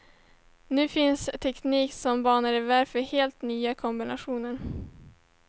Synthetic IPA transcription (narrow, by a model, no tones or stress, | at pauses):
nʉ̟ːfɪnst̪ʰɛkniːksɔmbɑːnəɾɪvæɾfœɾheːlt̪nyːakʰɔmbɪnaɧuːnəɾ